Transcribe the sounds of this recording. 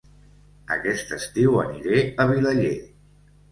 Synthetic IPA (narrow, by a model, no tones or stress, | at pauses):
ə̰kɛst̪əst̪iwə̰niɾeəβ̞iləʎe